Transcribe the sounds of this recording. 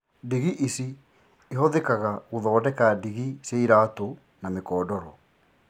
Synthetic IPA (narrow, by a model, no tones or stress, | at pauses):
diɣiʔisi | eɦɔðekaɣaɣoðɔːdɛkadiɣiseiɾaːto | namekɔːdɔɾɔ